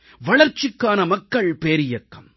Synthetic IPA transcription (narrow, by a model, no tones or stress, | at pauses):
ʋɐɭɐɾt͡ʃːɪkːaːnɐmɐkːɐɭpeːɾɪjɐkːɐm